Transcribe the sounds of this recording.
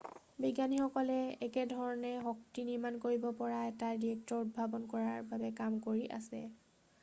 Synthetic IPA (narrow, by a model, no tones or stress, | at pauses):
biɡanixɔkɔlɛɛkɛdʱɔɹɔnɛxɔktiniɹmankoɹibɔpɔɹataɹdiɛk̚tɔɹutbʱabɔnkɔɹaɹbabɛkamkoɹiʔa̰sɛ̰